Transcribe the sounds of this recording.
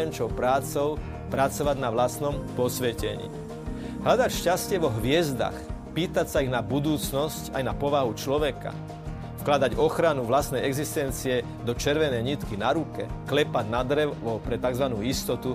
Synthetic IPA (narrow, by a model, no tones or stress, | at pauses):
ɛnt͡ʃɔʊpɾaːt͡sɔʊ | pɾat͡sɔʋaɟnaʋlast̪nɔmpɔsʋɛcɛ̰ɲḭː | ɦʎad̪acʃcascɪɛʋɔɦʋɪɛzd̪a̰xpiːt̪acsaiɣnabud̪uːt͡snɔscajnapɔʋaɦut͡ʃlɔʋɛka̰ | fklad̪aɟɔxɾanuʋlast̪nɛjɛɡzist̪ɛnt͡siɛ | d̪ɔt͡ʃɛɾʋɛnɛjɲit̪kinaɾukɛ̰klɛpaɟnad̪ɾɛʋɔpɾɛt̪aɡzʋanuːist̪ɔt̪u